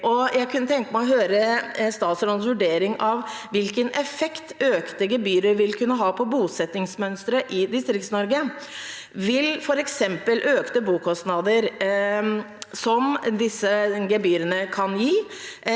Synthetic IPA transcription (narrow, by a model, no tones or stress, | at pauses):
ʔɔjʔæɪkʰʉnːət̪ʰɛŋkəmæɪɔɦøːɾəst̪ɑːt̪sɾɔnsʋʉɖeːɾɪŋɑʋʋɪlkənʔɛfɛkt̪ʰøːkt̪əɡɛbyːɾəɾʋɪlkʰʉnːəɦɑːpʰɔbuːsɛt̪ːɪŋsmœnst̪ɾəʔɪd̪ɪst̪ɾɪktsnɔɾɡə | ʋɪlfɔɾɛksɛmpəlʔøːkt̪əbuːkʰɔst̪nɑd̪əɾ | sɔmd̪ɪsːəɡɛbyːɾənəkʰɑnjiː